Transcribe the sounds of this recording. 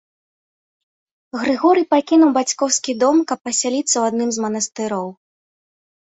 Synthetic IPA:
ɣɾɨɣɔɾɨpakʲinuwbat͡sʲkɔwskʲid̪ɔmkɐpːɐsʲalʲit̪sːɐwad̪̚nɨmzmɐnɐst̪ɨɾɔw

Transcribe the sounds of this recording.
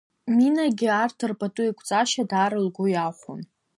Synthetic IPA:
minaɡʲiartʰɨrpʰʼatʼuikʷʼʰt͡sʼaʃadaːɾɨlɡʷʊjaχʷʊ̰n

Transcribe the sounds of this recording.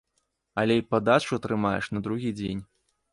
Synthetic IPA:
ɐlʲɛipad̪at͡ʂuɐt̪ɾɨmajɛ̰ʂnɐd̪ɾuɣʲid͡zʲenʲ

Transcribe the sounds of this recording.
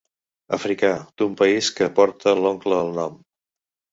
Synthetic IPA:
əfɾikad̪̥umpəiskəpɔɾt̪əlɔŋkləːlˠnɔm

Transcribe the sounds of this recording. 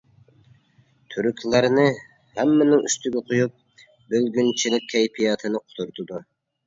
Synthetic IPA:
t̪ʰyɾykʲʰlˠæɾnɨ | hæmːɪnɪŋyst̪ʰyɡʲɛqʰojup̚ | bølɡʲynt͡ʃʰilɪk̚ʲʰːɛjpʰijɑːt̪ʰɨnɨqʰo̥t̪ʰuɾt̪ʰud̪u

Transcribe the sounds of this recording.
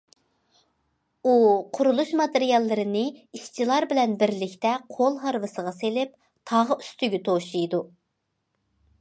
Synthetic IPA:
uqʰʊɾulˠuʃmɑt̪eɾijɑlˠːɨɾɨnɨiʃt͡ʃʰilˠɑɾbɪlɛnbɪɾlɪkʲt̪ɛqʰolˠɦɑɾvɨsəʁɑselɪp̚ | t̪ʰɑʁəy̥st̪yɡʲɛt̪ʰoʃijd̪u

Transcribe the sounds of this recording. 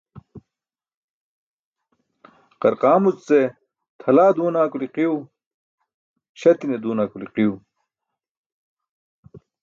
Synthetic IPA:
qɐɾqaːmut͡st͡se | t̪ʰɐlaːd̪uːnaːkuliqiu | ɕɐt̪ined̪uːnaːkuliqiju

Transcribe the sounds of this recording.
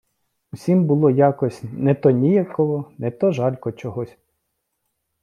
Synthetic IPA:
usʲimbʊlˠɔjɑkɔsʲnɛt̪ɔnʲijɐkɔʋɔnet̪ɔʒɑlʲkɔt͡ʃɔɦɔsʲ

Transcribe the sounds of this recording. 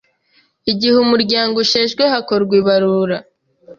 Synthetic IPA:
iɟihumuɾɟaːŋɡoʃeːʒɡwehako̞ɾɡwiβaɾuːɾa

